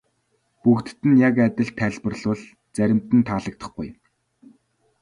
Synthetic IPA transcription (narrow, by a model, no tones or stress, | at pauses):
pukt̪t̪ɘ̆njakæt̪ʲɪ̆ɮt̪ʰːæɮpə̆rɮʊːɮ | t͡sæɾʲɪ̆m̥t̪ɘ̆nt̪ʰaːɮə̆k̚t̪ə̥̆χɡṵj